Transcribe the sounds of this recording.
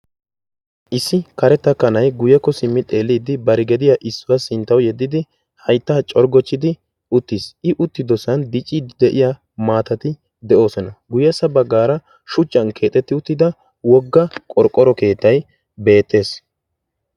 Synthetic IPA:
ʔɪsːɪkɐɾɛt̪ːɐkɐnɐjɡʊjɛkːɔsɪmːɪt̪ʼe̞ːlːiːd̪ɪbɐɾɪɡɛd̪ɪjaʔɪsːʊwasɪnt̪ːɐwjɛd̪ːɪd̪ɪ | hɐjt̪ːaːt͡ʃʼɔɾɡɔt͡ʃːɪd̪ɪ | ʊt̪ːisʔɪʔʊt̪ːɪd̪ɔsɐnd̪ɪt͡ʃʼːiːd̪ɛʔɪja | maːt̪ɐt̪ɪ | d̪ɛʔo̞ːsɔnɐɡʊjɛsɐbɐɡːaːɾɐ | ʃʊt͡ʃʼːɐnkʰe̞ːt̪ʼːɛt̪ːɪʊt̪ːɪd̪ɐ | wɔɡːɐkʼɔɾkʼːɔɾɔke̞ːt̪ːɐj | be̞ːt̪ːe̞ːs

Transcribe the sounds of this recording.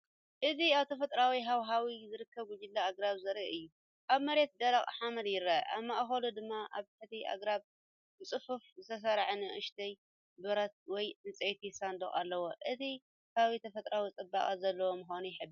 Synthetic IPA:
ʔɨziaβt̪ʰɐfɐt̪ʼɾawiɦawɦawizɨɾɨkʰːɐβɡʊd͡ʒɪlːaːɡɾaβzɐɾḭʔɨjːu | ʔaβmɐɾe̞t̪̚d̪ɐlaχʼħamɐd̪jɪɾɐ̰ʔaβmaʔxɐlud̪ɨmːaʔaβħɨt̪iʔa̰ɡɾaβ | bɨt͡sʼɨfufzɨt̪ʰɐs̬ɐɾʕnɨʔɨʃt̪ʰɐj | bɨɾɐt̪̚wɔjʔɨnt͡sʼejt̪ʰisand̪ɐχʼa̰lːɐwoʔɨzʰi | hawit̪ʰɐfɐt̪ʼɾawit͡sʼɨbːa̰kʼazɐlːɐwomɨxonujɪħɨd̪

